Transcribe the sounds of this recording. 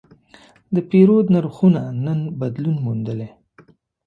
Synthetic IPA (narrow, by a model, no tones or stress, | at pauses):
d̪əpeɾod̪naɾxunanənbad̪lunmund̪əle